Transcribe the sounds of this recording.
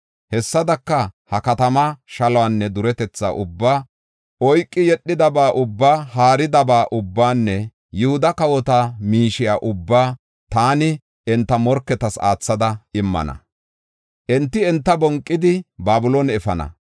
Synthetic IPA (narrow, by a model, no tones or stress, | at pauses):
hɛsːɐd̪ɐkːɐhɐkɐt̪ɐmɐʃɐlɔwaːnːɛd̪ʊɾɛt̪ɛt͡sːa̰ːʔʊbːaː | ɔjkʼːɪjɛɗːɪd̪ɐbaːʔʊbːaːhaːɾɪd̪ɐbaːʔʊbːaːnːɛ | jɪhʊd̪ɐkɐwɔt̪amiːʃɪjaːʔʊbːaː | t̪aːnɪ | ɛnt̪ːɐmɔɾkːɛt̪ɐsa̰ːt͡sːɐd̪ɐɪmːɐ̰nɐ̰ | ʔɛnt̪ːɪɛnt̪ːɐbɔŋkʼːɪd̪ɪbaːbʊloːnɛfɐnɐ̰